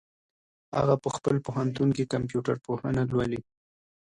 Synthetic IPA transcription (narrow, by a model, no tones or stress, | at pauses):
a̰ɣapəxpəlpohant̪unkekamp̬juʈaɾpohənalwali